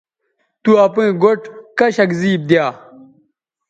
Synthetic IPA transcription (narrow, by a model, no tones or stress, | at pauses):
t̪uɐpẽɡoʈkɐɕɐkziːb̚d̪jaː